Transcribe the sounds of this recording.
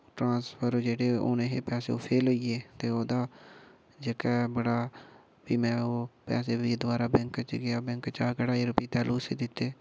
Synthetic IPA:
ʈɾãːspʰəɾd͡ʒeːɽeːo̰ːnẽːɦeːpɛːsḛːoːpʰeːloieːt̪eːoːd̪aː | d͡ʒekɛːbəɽaː | ʋiːmɛ̃ːoːpɛ̰ːseːʋiːd̪ʊaːɾaːbɛ̃ŋkt͡ʃɡɪaːbɛ̃ŋkt͡ʃaːkəɽaːiːɾʊpiːt̪ɛːlʔuːseːd̪ɪt̪ːeː

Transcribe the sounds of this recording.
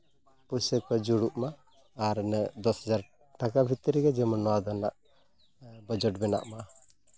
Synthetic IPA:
pusɛkad͡ʒuɽuʔmaː | ɾnɛd̪ɔshad͡ʒaɾ | ʈakabʱit̪ːəɾɛɡɛd͡ʒɛmɔnɔwad̪ɔnaʔ | bɔd͡ʒɔʈ̚bɛna̰ʔma

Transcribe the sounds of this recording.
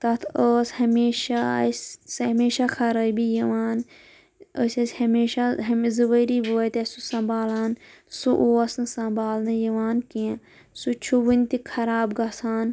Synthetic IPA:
t̪ɐt̪ʰəːshɐmeːʃassɐmeːʃakʰɐɾabijɐʋaːn | ə̰ːsʲɐsʲhɐmeːʃaɦɐmzɐʋəːɾiboːt̪ʲɐsusɐ̃mbaːlaːn | suʔoːɐsnsɐ̃mbaːlnɨjɐʋaːnkiã | sut͡ʃʰuʋunʲt̪ikʰɐɾaːbɡɐsaːn

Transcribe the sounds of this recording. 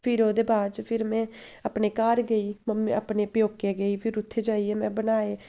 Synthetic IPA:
pʰɪɾoːd̪eːbaːɾt͡ʃpʰɪɾmɛ̃ːəpneːkaːɾɡəiːmməpneːpjoːkeːɡəiːpʰɪɾʊt̪ʰːeːd͡ʒaːiɛːmɛ̃ːbənaːeː

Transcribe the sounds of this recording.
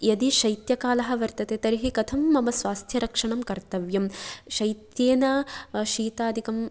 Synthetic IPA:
jɐd̪iʃɐjt̪jɐkaːlɐɦɐ̆ʋɐɾt̪ɐt̪eːt̪ɐɾiɦikɐt̪ʰɐmːɐmɐsʋaːst̪ʰjɐɾɐkʂɐɳɐmkɐɾt̪ɐʋjɐmʃɐjt̪jeːnɐʃiːt̪aːd̪ʱikɐm

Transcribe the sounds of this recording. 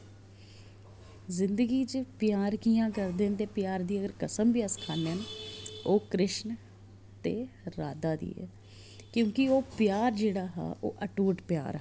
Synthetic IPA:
zɪnd̪əɡiːt͡ʃepɪjaːɾkiːjãːkəɾd̪eːnt̪eːpɪjaːɾd̪iːəɡəɾkəsəmbiːəskʰaːneənoːkɾɪʃn | t̪eː | ɾaːd̪aːd̪ḭːɛ̰ː | kjõːkɪoːpɪjaːɾd͡ʒeːɽaːɦɛ̰ːʔo̰ːʔəʈuːʈpja̰ːɾɛ

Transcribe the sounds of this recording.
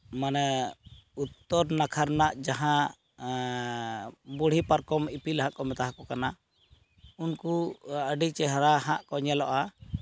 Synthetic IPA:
manɛ | ut̪ːɔɾnakʰaɾnaʔd͡ʒaɦã | buɽ̤ipaɾkɔmipilɦãʔkɔmɛt̪aɦakɔkana | unkuəɖit͡ʃɛɦɾahãʔkɔɲɛlɔʔa

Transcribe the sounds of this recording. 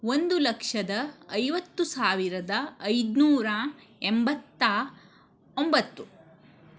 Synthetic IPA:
ond̪ulɐkʂɐd̪ɐːjʋɐt̪ːusaːʋiɾɐd̪ɐːjd̪nuːɾɐ | embɐt̪ːɐ | ombɐt̪ːu

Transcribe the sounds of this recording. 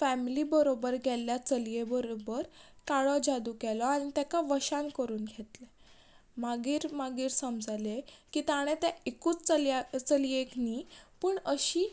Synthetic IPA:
fæmiliːbəɾobəɾɡʱɛlːjat͡səlijebəɾobəɾkaɭɔd͡ʑad̪uːkɛlɔaɽ̃it̪ɛkaʋəɕankəɾuːnɡʱet̪le | maɡiːɾmaɡiːɾsəmd͡zalekiːt̪aɽ̃et̪ɛekuːt͡st͡səlt͡səlijekniːpəːɳəɕiː

